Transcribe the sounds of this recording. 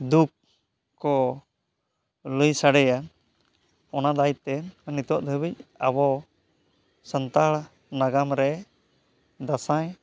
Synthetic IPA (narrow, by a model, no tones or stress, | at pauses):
d̪uk̚ | kːɔ | ləjsaɽɛjan | ɔnad̪ajt̪ɛnnit̪ɔʔd̪ʱəbic̚abɔ | sənt̪aɽ | naɡamɾɛ | d̪asãj